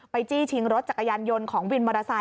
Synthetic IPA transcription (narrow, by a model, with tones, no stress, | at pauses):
pa˧jt͡ɕiː˥˩t͡ɕʰi˧˥ŋɾo˦˥t̪̚t͡ɕa˨˩kːa˧jaː˧njo˧nkʰɔː˩˦ŋwi˧nmaː˧ɾa˧sa˧